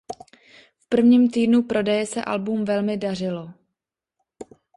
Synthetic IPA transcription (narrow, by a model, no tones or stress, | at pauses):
fpr̩vɲiːmt̪iːdnupɾo̞dɛjɛsɛ̰ʔa̰lbumvɛlmɪdar̝ɪlo̞